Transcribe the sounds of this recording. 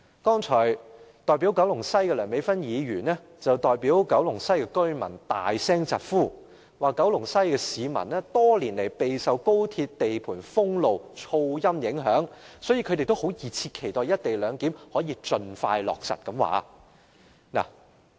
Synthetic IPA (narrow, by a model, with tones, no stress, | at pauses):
kɔː˥ŋt͡ʃʰɔː˨˩jt̪ɔː˨jp̬iː˨˥wkɐ˨˥wlʊ˨˩ŋsɐ˥jkɛ˧lœː˨˩ŋme˨˧˥jfɐ˥njiː˨˧ɥyː˨˩nɛː˥ | t͡sɐ˨wt̪ɔː˨jpiː˨˥wkɐ˨˥wlʊ˨˩ŋsɐ˥jkɛ˧kɵ˥ɥmɐ̰˨˩nt̪a̰ː˨jsɛː˥ŋt͡sɐ˨t̚fuː˥˩ | waː˨˩kːɐ˨˥wlʊ˨˩ŋsɐ˥jkɛː˧siː˨˧mɐ˨˩nɛː˥t̪ɔː˥liː˨˩nle˨˩jpe˨jsɐ˨wko˥wt̪ʰi˧t̚t̪e˨jpʰuː˨˩nfʊ˥ŋlo˨wt͡ʃʰo˧wjɐ˥mjɪ˨˥ŋɦœː˨˥ŋsɔː˨˥ji˧kʰɵ˨˧ɾte˨jt̪o˥who˨˥wjiː˨t͡sʰiː˧t̚kʰe˨˩jt̪ɔː˨jɐ˥t̚t̪e˨jlœː˨˧ŋkiː˨˥mhɔː˨˥jiː˧t͡ʃɵ˧nfa̰ː˧jlɔ̰ː˨k̚sɐ̰˨˩t̚kɐ˨˧˥mwa̰ː˨˥ | na̰ː˨˩